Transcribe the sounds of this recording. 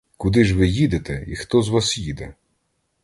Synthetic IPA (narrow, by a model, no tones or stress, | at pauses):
kʊd̪ɪʒʋɪjid̪et̪ɛixt̪ɔzʋɑsjid̪ɛ